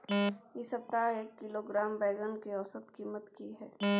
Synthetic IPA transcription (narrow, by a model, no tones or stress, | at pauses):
jisəp̚t̪aeːkːɪloɡɾaːmbɛːɡənkeɔsət̪kiːmət̪kiɦɛː